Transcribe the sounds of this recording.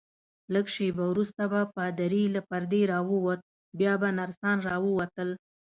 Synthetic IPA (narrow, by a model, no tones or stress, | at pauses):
ləɡʃebawɾust̪abapad̪aɾilapaɾd̪eɾɑwəwot̪̚ | bjɑbanaɾsɑnɾɑwəwat̪əl